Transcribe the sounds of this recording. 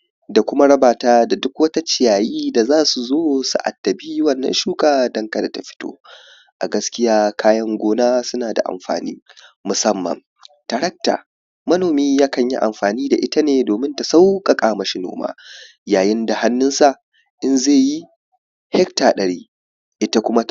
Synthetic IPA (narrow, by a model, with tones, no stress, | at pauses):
da˨kʷʊ˦ma˦ɽɐ˦baː˨taː˦da˨dʊ˦kwɐ˦ta˦t͡ʃɪ˨jaː˨jiː˦da˨zaː˦su˨zoː˦sṵ˨ʔa̰˨tːɐ˨biː˦wɐ˦˨nːɐ̰˦nʃuː˦kʼaː˨dɐ˦ŋka˨da˨ta˨ɸɪ̥˦to̰ː˦ | ʔa̰˨ɡɐ˦skʲɪ˦jaː˦kʰaː˦jɐ˦ŋɡʷoː˦naː˦sʊ˦naː˨da̰˨ʔa̰˨mɸa̰ː˨nḭː˦mʊ˨sɐ˦mːɐ̰˨m | ta˨ɾɐ˦k̚ta̰ː˨ | mɐ˦noː˨miː˦jaː˦kɐ˨ɲjḭ˦ʔa̰˨mɸaː˨niː˦da̰˨ʔɪ˦ta˦neː˨doː˨mɪ˦nta˨sa˦wkʼa˨kʼaː˨mɐ˨ʃi˦no̰ː˦ma̰ː˦ | jaː˨jɪ˦nda˨ha˦nːʊ˦nsa˦˨ʔ | ʔɪ˦nzeː˦˨ji˦ | hɛ˦ktaː˨ɗɐ˨ɽiː˦ | ʔɪ˦ta˦kʷʊ˦ma˦